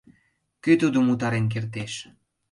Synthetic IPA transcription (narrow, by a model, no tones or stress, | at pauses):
kyt̪ud̪omut̪̬ɑɾenk̬ert̪eʃ